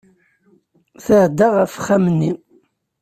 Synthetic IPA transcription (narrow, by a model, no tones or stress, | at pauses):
θəʕd̪aʁəfχæmnːi